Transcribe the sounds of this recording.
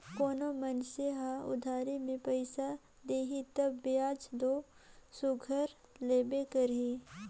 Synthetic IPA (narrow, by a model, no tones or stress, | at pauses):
koːnomənseɦaʊ̰d̪ʱaːɾimẽpəɪsa | d̪eːɦit̪ɐbːeaːd͡ʒd̪oː | sʊɡʱəɾ | leːbekəɾɦi